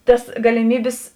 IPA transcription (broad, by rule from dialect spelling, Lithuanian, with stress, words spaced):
ˈtɐs ɡɐlʲɪˈmʲiːbʲɪs